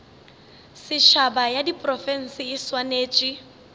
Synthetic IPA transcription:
sɪʃabajadipʼrɔfɛn̩sɪːswaneːt͡ʃʼi

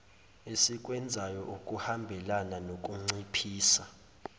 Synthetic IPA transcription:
esikʼwɛnd͡zʱajɔʔukʼuhambʱɛlananok̬ʼuŋ͡ǀipʰiːsa

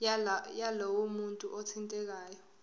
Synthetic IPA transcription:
jalowumuntʼuʔɔtʰintʼɛk̬aːjɔ

